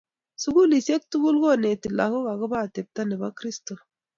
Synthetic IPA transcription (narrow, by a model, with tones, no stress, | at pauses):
su˦ɡu˦li˨se˦k̚tu˦ɡu˦lɡo˦˨ne˨ti˨la̰˨ko˦ɣa˨ɡə˦ba˦˨te˨p̚t̪a˦ne˨ba˦kɾi˦sto˨